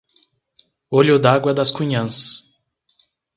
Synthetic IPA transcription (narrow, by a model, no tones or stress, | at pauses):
oʎʊd̪aɡwɐd̪ɐskuɲɐ̃s